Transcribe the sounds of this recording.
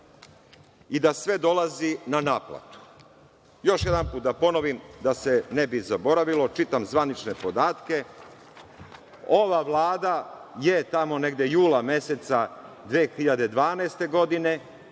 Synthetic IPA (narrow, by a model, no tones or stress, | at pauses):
id̪asʋe̞d̪o̞lˠazinanaːpla̰t̪u̥ | jo̞ʃje̞d̪anpuːt̪d̪apo̞no̞ʋimd̪ase̞nebizabo̞ɾaʋilo̞t͡ʃit̪amzʋanit͡ʃne̞po̞d̪aːt̪ke̞ | oʋaʋlˠaːd̪ajet̪amo̞ne̞ɡd̪je̞juːlame̞set̪sa | d̪ʋeːxiʎad̪e̞d̪ʋaːneːst̪e̞ɡo̞d̪ine̞